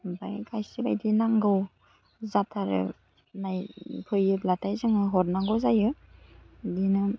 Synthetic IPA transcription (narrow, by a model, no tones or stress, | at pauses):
ba̰jkʰajsiba̰jdinaŋɡɯw | zatʰaɾɯ̰ | najpʰɯjɯblatʰajzɯŋɯɦɔɾnaŋɡɯwzajɯ | dinɯ